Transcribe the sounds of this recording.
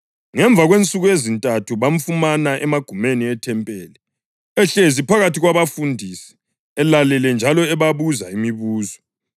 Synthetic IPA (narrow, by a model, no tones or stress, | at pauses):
ŋɛɱb̪vʱaɣwent͡sʼuɣujezintʼatʰuβaɱ̩fumanaʔɛmaɡ̥ʱumeniɛtʰɛmpʼɛːlɛ | ɛɬezipʰaɣatʰiɣwaβafundʱisi̥ | ɛlalɛlɛnd͡ʒʱalɔɛβaβuzaimiβuːzɔ